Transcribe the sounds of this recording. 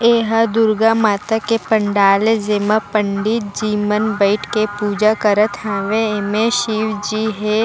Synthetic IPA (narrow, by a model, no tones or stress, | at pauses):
eːɦad̪ʊɾɡamaːt̪akepəɳɖaːlezemapə̃ɳɖɪt̪̚d͡ʒiːmənbəɪʈkepuːd͡ʒakəɾət̪ɦãːʋeemẽʃiːwd͡ʒiɦe